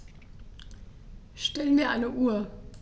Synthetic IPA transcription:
ʃtɛlənviːɐʔaɪnəʔuːɐ

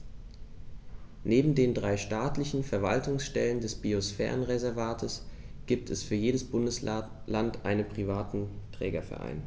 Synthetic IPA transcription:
neːbm̩deːndʁaɪʃtaːtlɪçn̩fɛɐva̰ltʊŋsʃtɛləndɛsb̥iosfɛ̰ːʁənʁezɛɐvaːtʰəs | ɡ̥iːp̚tʰɛsfyːɐjeːdəsb̥ʊndəs | lantʔaɪnənpʁ̥ivaːtn̩tʁ̥ɛ̰ːɡɐfɛ̰ɐʔa̰ɪn

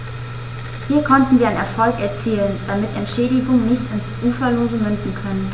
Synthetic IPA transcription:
hiːɐkʰɔntn̩viɐaɪnɛɐfɔlkɛɐt͡siːlənd̥amɪtɛntʃɛːdɪɡʊŋnɪçtɪnsʔuːfɐloːzəmʏndn̩kʰœnən

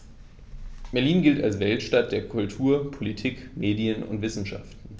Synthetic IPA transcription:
b̥ɛɐliːnɡɪlta̰lsvɛltʃtat̚d̥eːɐkʰʊltʰuːɐpʰolitʰiːkmeːdijənʊ̰ntv̥ɪsn̩ʃa̰ftn̩

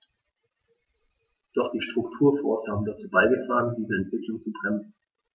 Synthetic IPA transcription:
d̥ɔχd̥iːʃtʁ̥ʊk̚tʰuːɐfɔɐshaːbm̩dat͡suːbaɪɡətʁ̥aːʁəndiːzəɛntv̥ɪklʊŋt͡subʁɛmzn̩

